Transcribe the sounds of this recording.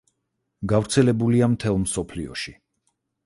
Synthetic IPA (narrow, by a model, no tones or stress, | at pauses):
ɡavɾt̪sʰɛlɛbuliamt̪ʰɛlˠmsɔpʰliɔʃi